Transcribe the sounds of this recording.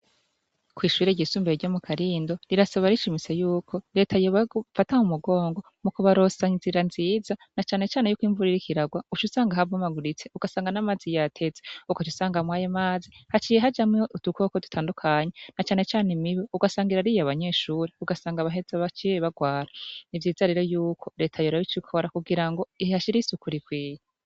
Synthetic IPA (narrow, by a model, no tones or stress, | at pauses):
kwiːʃuɾeɟisuːmbeeɾɟo̞mukʰaɾiːndo̞ɾiɾasaβaɾiʃimise̞juːkʰo̞ɾe̞ːtʰajoβafatahumuɡo̞ːŋɡo̞ | mukuβaɾo̞saɲziɾanziːzanat͡ʃaːne̞t͡ʃaːne̞jukwiːɱvuɾiɾikʰiɾaɡwaut͡ʃusaːŋɡaɦavomaɡuɾit͡se̞uɡ̥asaːŋɡanamaːzijatʰe̞zeukot͡ʃusaːŋɡamwaːjemaːzihat͡ʃiːje̞ɦad͡ʒamŋeutukokodu̥tʰaːndukʰaɲenat͡ʃaːne̞t͡ʃaːnimiβeuɡasaːŋɡiɾaɾijoaβaɲe̞ːʃuːɾiuɡasaːŋɡaβaɦe̞zaβat͡ʃijeβaɡwaːɾanivjiːzaɾeɾojuːkʰo̞ɾe̞ːtʰajoɾaβit͡ʃikʰo̞ɾakuɡiɾaŋɡo̞ihihaʃiɾisukuɾikwiːja